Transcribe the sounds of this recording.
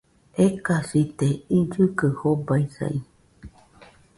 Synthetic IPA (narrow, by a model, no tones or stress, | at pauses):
ekasit̪eid͡ʒɨkɨhobaisa̰i